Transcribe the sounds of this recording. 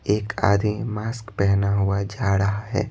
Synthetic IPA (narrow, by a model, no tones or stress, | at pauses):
eːkʰa̰ːd̪imaːskpɛɦnaɦʊad͡ʒaːɾəɦaɦɛ̰ː